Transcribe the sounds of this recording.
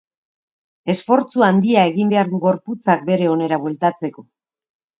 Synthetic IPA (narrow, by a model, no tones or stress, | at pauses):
e̞sfo̞ɾt͡suand̪iae̞ɣimbe̞aɾðuɡo̞ɾput͡sak̚be̞ɾe̞o̞ne̞ɾaβwe̞lt̪at͡se̞ko̞